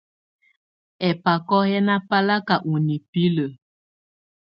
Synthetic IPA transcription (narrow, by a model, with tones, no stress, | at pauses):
ɛ˨pa˨kɔ˦hɛ˦na˦pa˦la˦ka˨ʔu˨ni˨pi˦lə˨